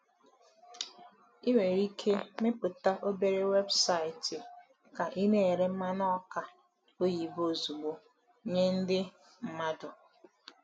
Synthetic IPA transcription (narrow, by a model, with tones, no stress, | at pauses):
i˦we˨ɾi˦kʰe˦me˦pʊ˨ta˦ʔo˦be˦ɾe˦we˦bsa˦˨ɪ˨tɪ˨ | ka˨ʔi˦ne˦e˨ɾe˦m̩˦ma˦nɔ˦ka˨ | o˦ji˨bo˦˨zu˨ɡ͡bo˨˦ | ɲe˦n̩˦dɪ˦ | m̩˦˨ma˦dʊ˨